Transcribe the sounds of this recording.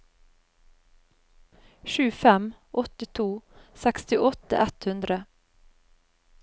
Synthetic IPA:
ʃʉːfɛmʔɔt̪ɪt̪ʰuːsɛkst̪ɪʔɔt̪ə̰ʔɛt̪hʉnd̪ɾə

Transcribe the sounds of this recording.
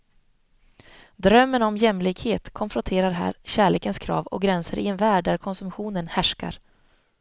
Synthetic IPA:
d̪ɾœmːənɔmjɛmlɪkheːt̪kʰɔnfɾɔnt̪ʰeːɾaɾɦæ̰ːɾɕæːɭeːkənskʰɾɑ̰ːvɔ̰kɡɾɛnsəɾʔɪɛnvæːɖːæɾkʰɔnsɵmɧuːnənhæʂka̰ɾ

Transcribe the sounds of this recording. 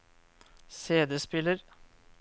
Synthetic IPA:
seːd̪əspɪləɾ

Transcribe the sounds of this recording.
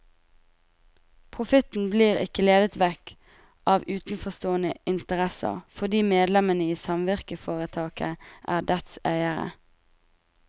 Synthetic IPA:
pʰʁʊfɪt̪n̩bliːʁɪ̰kəleːd̪ət̪ʋɛk | ʔɑːʋʉːt̪n̩fɔst̪oːənəɪnt̪əʁɛsə̰ʁfɔd̪iːmeːd̪lɛmənəiːsɑmʋɪʁkəfoːʁət̪ʰɑːkəʔæ̰ːʁd̪ɛt̪sæɪəʁə̰

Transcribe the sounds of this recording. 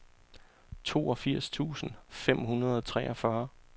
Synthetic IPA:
t͡sʰo̝̰ːɒ̽fiɐ̰st͡sʰṵːsn̩fem̰ɦunɐð̞ˠɒt͡sʰʁɛːʔɒ̽fɶɐ

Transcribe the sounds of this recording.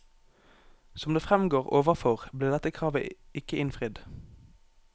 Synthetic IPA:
sɔmd̪eːfʁɛmɡoːʁo̰ːʋəfɔʁbliːʁd̪ɛt̪əkʰʁɑːʋə̰ɪkəʔɪnfʁɪd̪

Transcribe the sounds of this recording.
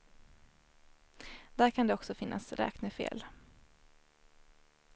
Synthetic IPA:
d̪̥æɾkʰand̪ɛɔksɔfɪnːʔa̰sɾɛ̰ːknəfḛːl

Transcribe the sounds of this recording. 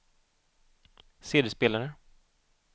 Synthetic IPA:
seːd̪ɪəspeːlaɾə

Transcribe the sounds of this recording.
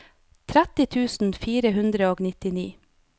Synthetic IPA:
t̪ʰɾæt̪ɪt̪ʰʉːsn̩fiːɾəɦʉnd̪ɾəoːɡnɪt̪ɪnḭː

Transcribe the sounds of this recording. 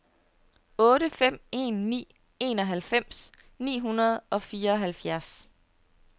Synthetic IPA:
ɔ̽ːɾəfem̰e̝̰ːnːḭː | e̝̰ːnɒ̽ɦælfem̰s | nḭːɦunɐð̞ˠʔɒ̽fiːɐɒ̽ɦælfjæɐs

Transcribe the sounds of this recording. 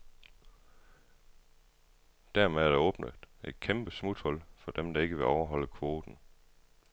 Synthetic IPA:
d̥æɐmeðˠæɐɾ̥æɔ̽ːb̥nəd̥e̝d̥kʰemb̥əsmud̥hɒ̽l̰fɒ̽d̥emd̥ɑ̈e̝ɡ̥əʋe̝ɒʊɐɦɒ̽l̰əkʰʋo̝ːd̥n̩

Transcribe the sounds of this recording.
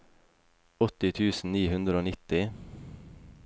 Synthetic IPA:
ɔt̪ɪt̪ʰʉːsn̩niːhʉnd̪ɾəoːnɪt̪ɪ

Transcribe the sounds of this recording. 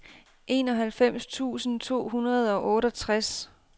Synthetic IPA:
ʔe̝ːnɒ̽ɦælfem̰st͡sʰṵːsn̩t͡sʰo̝̰ːɦunɐð̞̩ˠɒ̽ʔɔ̽ːɾɒt͡sʰʁas

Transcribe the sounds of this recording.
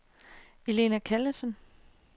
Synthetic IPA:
e̝le̝nækʰælɐsən

